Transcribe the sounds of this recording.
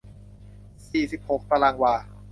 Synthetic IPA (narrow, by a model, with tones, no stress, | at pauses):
siː˨˩si˨˩p̚ho˨˩˥k̚t̪a˧laː˧ŋwaː˧